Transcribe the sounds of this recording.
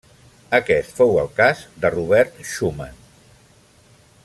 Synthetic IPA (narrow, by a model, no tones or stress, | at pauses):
əkɛst̪fowəlˠkazd̪əruβɛɾt̪ʃumən